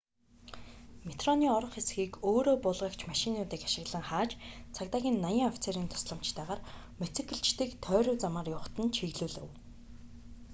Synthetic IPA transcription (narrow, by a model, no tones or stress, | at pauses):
met̪rɔniːɔɾɞ̆χesɡiːkoːɾoːpʊɮʁə̆kt͡ɕʰmaʃinʊːt̪iːkaʃɪ̆ɣɮə̆ŋχaːt͡ɕt͡sʰakt̪aːɣʲiːnːajə̆ŋɔfʲi̥t͡seɾiːnt̪ʰʊ̥sɮə̆m̥t͡ɕt̪æːʁaːr | met͡sɘ̆kɘ̆ɬt͡ɕt̪ɘ̆kt̪ʰœːɾʲʊːt͡samaːrjʊχt̪ə̆nt͡ɕʰiɣɮuːɮɘ̆w